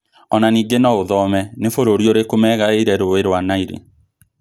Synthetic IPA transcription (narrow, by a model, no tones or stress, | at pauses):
ɔnaniːɡenɔoðɔmɛnefoɾoɾioɾekomɛɣaeɾɛɾoeɾwanaiɾḛ